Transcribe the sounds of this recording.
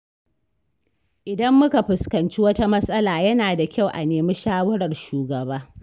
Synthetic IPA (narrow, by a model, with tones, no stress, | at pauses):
ʔɪ˨dɐ˦mːʊ˦ka˨ɸɪ˨skɐ˨nt͡ʃi˦wɐ˦ta˦mɐ˦sʼɐ˦laː˨jɐ˦naː˨da˨kʲa˦˨wʔa̰˨neː˨mi˦ʃaː˦wɐ˦ɽɐ˨rʃuː˨ɡɐ˨baː˦